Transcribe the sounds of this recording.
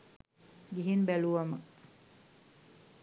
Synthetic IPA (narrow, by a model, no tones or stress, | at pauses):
ɡiɦinbæluʋamə